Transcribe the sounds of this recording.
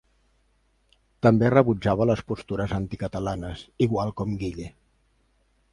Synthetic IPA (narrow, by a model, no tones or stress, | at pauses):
t̪əmberəβud͡ʒaβələspust̪uɾəzant̪ikət̪əlanəsiɣwalˠkɔmɡiʎe